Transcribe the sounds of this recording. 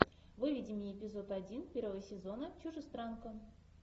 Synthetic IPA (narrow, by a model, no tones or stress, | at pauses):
vɨvʲidʲɪmʲɪjepʲɪzo̞t̪adʲinpʲervəvəsʲɪzo̞nət͡ɕʲuʐɨst̪ɾankən